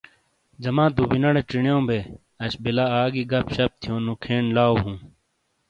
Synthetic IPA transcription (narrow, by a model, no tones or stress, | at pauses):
d͡ʑɐmãːd̪ubinɐɽeʈ͡ʂiɳjõːbeː | ɐɕbilaaːɡiɡɐpɕɐp̚t̪ʰijõːnukʰeːɳlaːwɦũː